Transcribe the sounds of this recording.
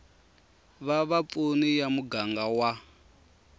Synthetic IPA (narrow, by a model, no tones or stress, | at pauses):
βaβapunijamuɡaŋɡawa